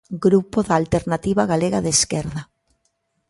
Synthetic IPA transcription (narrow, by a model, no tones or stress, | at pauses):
ɡɾupoðaːlt̪eɾnat̪iβaɣaleɣaðeskɛɾða